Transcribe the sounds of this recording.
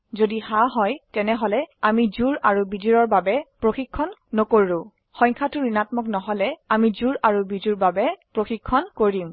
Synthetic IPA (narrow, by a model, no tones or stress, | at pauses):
zodihaɦɔjtɛnɛɦɔlɛamizuɹaɹubidiɹɔɹbabɛpɹoxikʰːɔnːɔkoɹɹʊ̃ | xɔ̃jŋkʰatʊɹinatmɔknɔɦɔlɛamizuɹaɹubiduɹbabɛpɹoxikʰːɔnkoɹim